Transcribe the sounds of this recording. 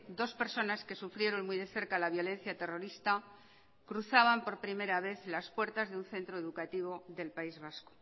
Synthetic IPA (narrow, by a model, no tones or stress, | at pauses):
d̪o̞spe̞ɾso̞naske̞sufɾje̞ɾonmujðe̞θe̞ɾkalaβjo̞le̞n̟θjat̪e̞ro̞ɾist̪a | kɾuθaβampo̞ɾpɾime̞ɾaβ̞e̞θlaspwe̞ɾt̪azðeunθe̞nt̪ɾoe̞ðukat̪iβo̞ðe̞lpaizβ̞asko̥